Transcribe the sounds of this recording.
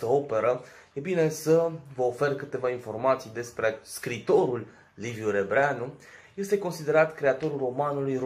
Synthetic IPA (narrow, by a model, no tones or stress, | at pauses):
t̪əo̞pe̞ɾə | ebine̞səvəofe̞rkɨt̪e̞vainfo̞rmat̪sijd̪e̞spɾeskɾit̪o̞ɾulː | ivjuɾe̞bɾeanuje̞st̪e̞ko̞nsid̪e̞ɾat̪kɾe̞at̪o̞ɾulro̞manulujr